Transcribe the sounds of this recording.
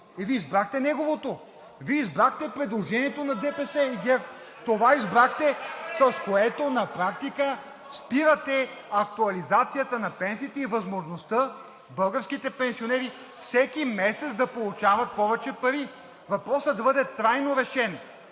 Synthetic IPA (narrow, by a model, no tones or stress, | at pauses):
iviizbɾaxt̪ɛnɛɡovot̪o | viizbɾaxt̪ɛpɾɛd̪lˠoʒɛniɛt̪onɐd̪ɛpɛsɛiɡɛɾ | t̪ovaizbɾaxt̪ɛsɐskoɛt̪onɐpɾak̚t̪ikə | spiɾət̪ɛɐk̚t̪uɐlizat̪sijət̪ənɐpɛnsiːt̪ɛivɐzmoʒnost̪ə | bɤlˠɡəfsk̟it̪ɛpɛnsionɛɾi | fsɛkimɛsɛt̪sd̪ɐpolˠut͡ʃavɐt̪̚pɔvɛt͡ʃɛpɐɾi | vɐpɾɔsəd̪ɐbɤd̪ɛt̪ɾajnoɾɛʃɛn